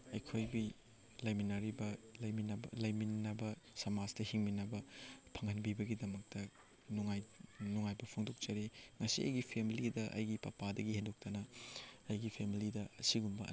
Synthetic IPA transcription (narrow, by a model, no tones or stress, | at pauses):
ɐjkʰojbi | lɐjminɐɾibɐlɐjminɐblɐjminɐbɐsɐmaztɐhiŋminɐbɐpʰɐŋɐnbibɐɡidɐmɐk̚tɐ | nuŋajnuŋajbɐpʰoŋdok̚t͡ʃɐɾeŋɐsiɐ̰jɡipʰemilidɐʔɐ̰jɡipɐ̰padɐɡihendok̚tɐnɐɐjɡipʰemilidɐɐsiɡumbɐ̰